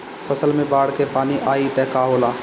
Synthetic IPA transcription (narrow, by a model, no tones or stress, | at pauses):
pɐsəlmẽbaːɽkepaːniʔaːit̪ɛːkaːɦoːlaː